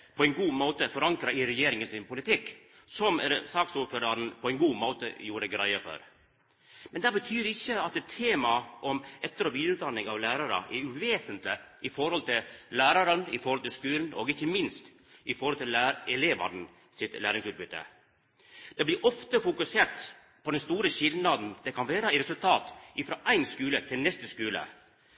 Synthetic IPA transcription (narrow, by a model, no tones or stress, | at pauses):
pʰɔɛɪnɡuːmoːt̪əfɔɾɑŋkɾəɾɪɾɛjeːɾɪŋənsɪnpʊlɪt̪ʰɪkː | sɔmsɑːksuːɾføːɾɑɾn̩pʰɔɛɪnɡuːmoːt̪ə̰juːɾəɖɡɾæɪəfɔ̰ɾ | mɛnd̪æːbət̪ʰyːɾɪçːəɑt̪̚ːɛt̪ʰːeːmɑʔɔmʔɛt̪ːəɾɔʋiːd̪əɾʉːt̪d̪ɑnːɪŋɑʋlæːɾɑɾə̰ʔɛʉʋeːsənt̪lɪʔɪfɔɾhɔlt̪ʰɪllæːɾɑɾənɪfɔɾhɔlt̪ʰɪlskʉːln̩ɔ̰ɡɪçːəmɪnst̪ | ɪfɔɾhɔlt̪ʰɪlæɾɛleːʋɑ̰n̩ | sɪt̪læːɾɪŋsʉːt̪̚bʏt̪ːə̰ | d̪̥ɛblɪɾʔɔft̪əfʊkʉseːɾʈ̪ | pʰɔd̪ɛnst̪uːɾəɕɪlnɑd̪nd̪̥ɛkʰɑnʋæːɾəæɪɾɛsʉlt̪ʰɑːt̪ɪfɾɑːʔæɪnskʉːlət̪ʰɪlnɛst̪əskʉːlə̰